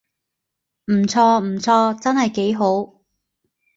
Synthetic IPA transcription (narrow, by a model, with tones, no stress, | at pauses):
m̩˨˩t͡sʰɔː˧m̩˨˩t͡sʰɔː˧t͡sɐ˥nhɐ˨jke˨˥jɦo˨˥w